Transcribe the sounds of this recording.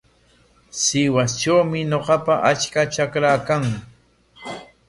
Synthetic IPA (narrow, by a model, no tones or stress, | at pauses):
sɪwast͡ʃawmɪɲoqɑpaʔat͡ʃkat͡ʃakɾaːkaŋ